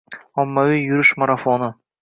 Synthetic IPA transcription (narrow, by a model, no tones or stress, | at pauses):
ɒmːavijjʊɾɪʃmaɾafonɪ